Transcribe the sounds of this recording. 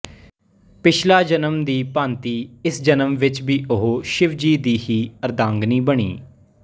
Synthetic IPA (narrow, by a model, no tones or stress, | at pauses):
pɪt͡ʃʰlaːd͡ʒənəmd̪iːpãːnt̪iːɪsd͡ʒənəmʋɪt͡ʃbiːʊɦoːʃɪʋd͡ʒiːd̪iːhiːəɾd̪ãːŋɡniːbəɳ̃ḭː